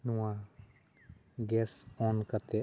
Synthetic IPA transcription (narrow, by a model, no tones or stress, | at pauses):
nuwa | ɡɛsɔnkat̪ɛ